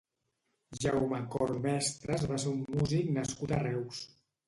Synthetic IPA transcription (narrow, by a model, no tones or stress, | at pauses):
ʒawmakɔɾmɛst̪ɾəzβaseɾumːuziknəskut̪arɛws